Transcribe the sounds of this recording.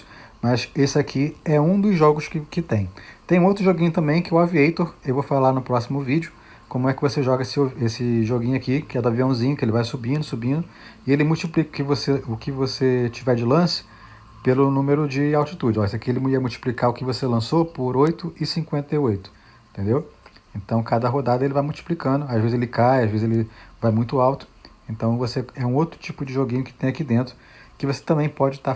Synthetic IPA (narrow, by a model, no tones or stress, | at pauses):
mɐsesɪakʰiɛũd̪ʊzʒɔɡʊʃkɪkɪt̪ẽj̃t̪ẽj̃ũowt̪ɾʊʒoɡĩɲʊt̪ɐ̃mbẽj̃kɪwaviejt̪oɾewvowfalaɾnʊpɾɔsimʊvid͡ʒʊ | kõmʊɛkɪvoseʒɔɡɐesɪoesɪʒoɡĩɲʊakikɪɛd̪aviɐ̃w̃zĩɲʊkɪelɪvajsubĩnd̪ʊsubĩnd̪ʊ | ɪelɪmuwt͡ʃiplikʊ̥kɪvoseʊkɪvoset͡ʃivɛɾd͡ʒɪlɐ̃sɪ̥ | pelʊnũmeɾʊd͡ʒɪawt͡ʃit̪ud͡ʒɪɔsekielɪiɐmuwt͡ʃi̥plikaɾʊkɪvoselɐ̃sopʊɾojt̪ʊɪsĩŋkwẽnt̪ejojt̪ʊ̥̃ | t̪ẽnd̪ewẽnt̪ɐ̃w̃kad̪ɐɦod̪ad̪ɐelɪvajmuwt͡ʃi̥plikɐ̃nd̪ʊaʒvezɪzelɪkajaʒvezɪzelɪvajmũj̃t̪ʊawt̪ʊ̥ẽnt̪ɐ̃w̃voseɛũowt̪ɾʊt͡ʃipʊd͡ʒɪʒoɡĩɲʊkɪ̥t̪ẽj̃akid̪ẽnt̪ɾʊ | kɪvose̥t̪ɐ̃mbẽj̃pɔd͡ʒɪt̪a